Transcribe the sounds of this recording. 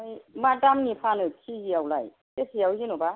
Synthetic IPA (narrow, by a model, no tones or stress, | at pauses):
ɯjmadamnipʰanɯkʰizijawlaj | tesʰijawzinɔba